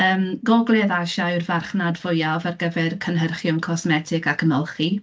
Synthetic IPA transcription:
əːmɡɔɡlˠɛðaʃaɨrvarχnadvʊjavarɡəvɛrkʰənɦərχjʊmkʰɔsmɛtʰɪɡakʰənɔlˠχi

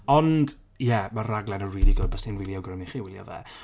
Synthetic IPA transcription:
ɔnd̥ | jɛmaraɡlˠɛnənriːlˠiɡɔːd̚bəsinwɪlˠjɔɡrəmɪχiwɪlˠjɔ̰vɛ̰

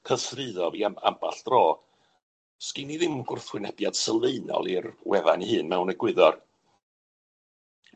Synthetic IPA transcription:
kʰəsrɨðɔviaa̰mba̰ɬd̥rɔː | skɪniðɪmɡʊrθwɪnɛb̥jad̥səlˠveɨnɔ̰lˠiɾwɛða̰nihɨːnmɛwnəɡwɨðɔr

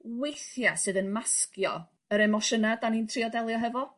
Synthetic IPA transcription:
wejθjasɨːðənmaskjɔ̰ | əɾɛmɔʃənadanintʰriɔdɛlˠjɔɦɛvɔ

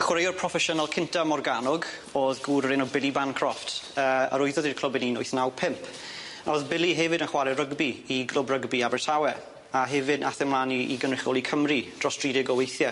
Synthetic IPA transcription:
χwɾejɔrpʰrɔfɛʃənalˠkʰɪntamɔrɡanɔɡ | oːðɡuːɾəɾɪnɔbɪlˠibankʰrɔftəːə̰ɾʊɨðɔðirkʰlˠəbɛninʊɨθnawpʰɪmpʰ | ɔðbɪlˠiɦɛvɨdənχwaɾɛrəɡbiiɡlˠʊbrəɡbiabɛtʰawɛ | aɦɛvɨdaθɛmlˠaniʔḭɡənrɪχɔlˠikʰəmrid̥rɔstriːdɪɡɔwejθjɛ

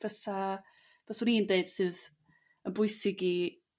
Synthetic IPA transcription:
v̥əsa | v̥əsʊniːndeɨd̥sɨːð | ənbʊɨsɪɡi

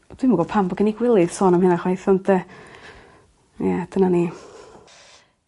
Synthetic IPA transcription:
d̥wɪmaɡɔpʰambɔɡəniɡwɪlˠɨð̥sɔːnəmhɪnaχwajθɔndɛ | jɛd̥ənani

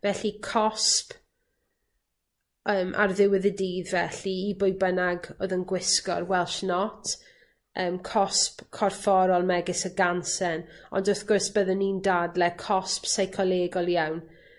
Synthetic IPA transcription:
vɛɬikʰɔsp | əːmʔa̰rðɪwɪðədiːðvɛɬiːbʊjbənaɡoːðənɡwɪskɔ̰rwɛlˠʃnɔtʰ | ʔəːmkʰɔspkʰɔrfɔɾɔlˠmɛɡɪsəɡansɛnɔ̰ndəθɡ̥ʊrsb̥əðənːiːndadlɛkʰɔspsajkʰɔlˠeːɡɔlˠjawn

